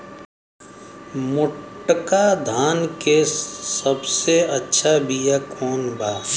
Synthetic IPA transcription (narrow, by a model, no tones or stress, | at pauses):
mʊʈkad̪ʱaːnkesəbseɐtːʃʰabʱijakʰɔːnbaː